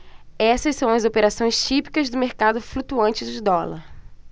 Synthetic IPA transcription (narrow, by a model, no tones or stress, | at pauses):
ɛsɐssɐ̃w̃ɐzopeɾasõj̃st͡ʃipi̥kɐzd̪ʊmeɾkad̪ʊflut̪uɐ̃nt͡ʃɪzɪd̪ɔlɐ̰ɾ